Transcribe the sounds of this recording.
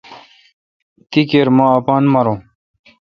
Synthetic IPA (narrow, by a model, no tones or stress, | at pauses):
t̪ikeːɾmãːɐpaːnmɐɾõː